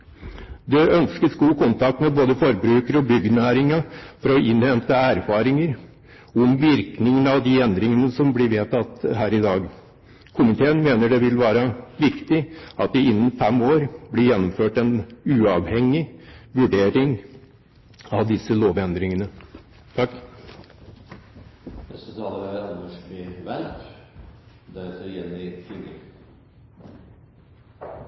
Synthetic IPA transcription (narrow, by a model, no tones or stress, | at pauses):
d̪ɛʔœnskəsɡuːkʊnt̪ɑk̚t̪mɛboːd̪əfɔɾbɾʉːkəɾəɔbʏɡnæːɾɪŋɑfɔɾɔʔɪnhɛnt̪əæɾfɑːɾɪŋəɾ | ʊmʋɪɾknɪŋənɑʋd̪ɪɛnd̪ɾɪŋənəsɔmblɪɾʋeːt̪ʰɑt̪ːɦæːɾɪd̪ɑːɡ | kʰʊmɪt̪ʰeːənmeːnəɖɛʋɪlʋæːɾɑʋɪkt̪ɪɑt̪̚d̪ɪɪnːənfɛmːoːɾblɪɾjɛnːʊmføːʈɛnʉːɑʋhɛŋːɪʋʉɖeːɾɪŋ | ɑʋd̪ɪsəloːʋɛnd̪ɾɪŋənə | t̪ʰɑkː | ɛsət̪ɑlːəʋæɾɑnd̪əʂkɪʋælʈ | d̪ɛseɾjɛnːɪɪə